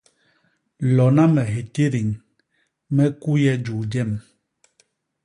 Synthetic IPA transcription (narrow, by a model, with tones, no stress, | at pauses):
lɔ˨na˦mɛ˨ɦe˨te˦ɾi˨ŋ | mɛ˦ku˦jɛ˦d͡ʒu˨d͡ʒɛ˦˨m